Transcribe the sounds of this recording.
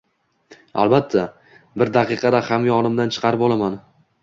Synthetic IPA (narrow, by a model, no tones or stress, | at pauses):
a̰lˠbat̪ʰːa | bɪɾd̪aqɨqɑd̪ahamjɒnɪmd̪ant͡ʃʰɨ̥qʰɑɾɪpɒlˠaman